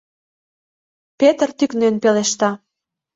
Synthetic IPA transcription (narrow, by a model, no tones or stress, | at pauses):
pet̪ərt̪yknønpeleʃt̪ɑ